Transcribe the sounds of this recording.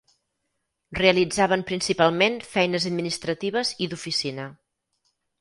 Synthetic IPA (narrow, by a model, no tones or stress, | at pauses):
reəlid͡zaβ̞əmpɾinsipalˠmenfɛjnəzəd̪minist̪ɾət̪iβ̞əziðufisinə